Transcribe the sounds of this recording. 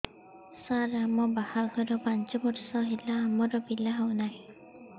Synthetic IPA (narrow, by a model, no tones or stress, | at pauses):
saɾamɔbahalkʰɔɾɔpant͡ʃɔbɔtsɔɦilaːmɔɾɔbilaɦɔwnaj